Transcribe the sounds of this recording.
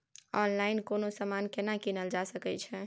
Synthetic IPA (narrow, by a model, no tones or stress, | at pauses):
ɔnlainkonosəmankenakinəld͡ʒasəkɛt͡ʃʰɛ